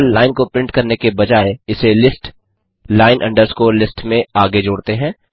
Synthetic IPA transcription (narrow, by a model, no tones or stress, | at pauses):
llaːɪnkopɾɪ̃ɳʈkɐɾnekebɐd͡ʒaːeɪselɪsʈ | laːɪnʔɐ̰̃ɳɖəɾskoːɾlɪsʈmẽaːɡed͡ʒoːɽt̪eɦɛ̃ː